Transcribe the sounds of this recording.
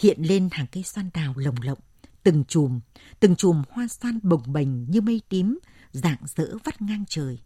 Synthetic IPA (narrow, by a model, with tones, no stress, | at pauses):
hḭ˧˨ənle˧nhaː˨˩ŋkə˧jswaː˧nɗaː˨˩wlə˨˩wŋ͡mlə̰˧˨wŋ͡mt̪ɨ˨˩ŋt͡ɕu˨˩mt̪ɨ˨˩ŋt͡ɕu˨˩mhwaː˧swaː˧nɓə˨˩wŋ͡mɓə˨˩jŋ̟ɲɨ˧mə˧jt̪i˨˦m | za̰ː˧˨ŋz̥ə̰ː˧˥və˦˥t̚ŋa˧ŋt͡ɕəː˨˩j